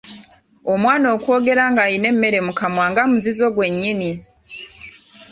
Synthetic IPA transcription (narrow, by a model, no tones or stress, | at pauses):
omwaːno̞ːkwo̞ːɡe̞ɾaŋɡajine̞mme̞ɾe̞mukamwaːŋɡamuzizo̞ɡwe̞ɲːini